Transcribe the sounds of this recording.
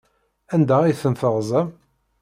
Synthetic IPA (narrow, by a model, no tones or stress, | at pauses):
ænd̪æiθənθəʁzˤæm